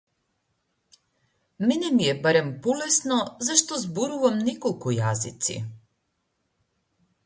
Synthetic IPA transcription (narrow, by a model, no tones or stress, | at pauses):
mɛnɛmijɛbaɾɛmpɔlɛsnɔzaʃt̪ɔzbɔɾuvamnɛkɔlˠkujazḭt̪sḭ